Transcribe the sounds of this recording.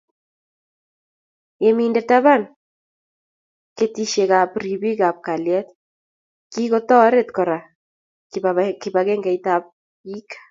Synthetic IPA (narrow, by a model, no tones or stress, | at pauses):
jemindetaβan | ketiʃeɣapriβiɣap̚kaljɛt̪ | kiɣotɔɾet̪kɔɾa | kakɪβaɣeŋɡajtap̚ | ikḁ